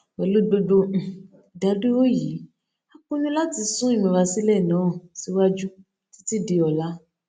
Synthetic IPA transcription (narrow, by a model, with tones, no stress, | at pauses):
wɛ˨lo˦do˧dõ˧˨ | da˨˦de˦o˦ji˨˦ | a˦kũ˦nũ˦la˦ti˧sũ˦i˦˨mĩ˨ɾa˧si˦lɛ˦˨nãː˨˦˨si˦wa˦d͡ʒu˦ | ti̥˦ti˦di˧ɔ˧˨la˦